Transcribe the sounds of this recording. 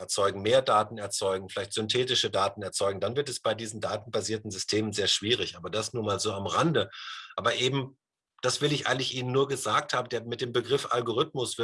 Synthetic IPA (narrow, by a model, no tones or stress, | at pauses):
ɛɐt͡sɔʏɡŋ̩meːɐdaːtn̩ɛɐt͡sɔʏɡŋ̩fɪlaɪçtz̥ʏntʰɛːtɪʃədaːtn̩ɛɐt͡sɔʏɡŋ̩danvɪɐtɛsb̥aɪdiːzn̩daːtn̩baziːɐtn̩zʏstʰeːmənzeːɐʃv̥iːʁ̞ɪçʔaːbɐdasnuːɐmaːlzoːamʁandəʔaːbɐʔeːbm̩ | d̥asv̥ɪlɪçʔa̰ɪɡŋ̩tlɪçʔiːnənːuːɐɡəzaːk̚thaːbədeːɐmɪt̚d̥eːmbəɡʁɪfʔa̰lɡoʁ̞ʏtmʊsv̥ɪ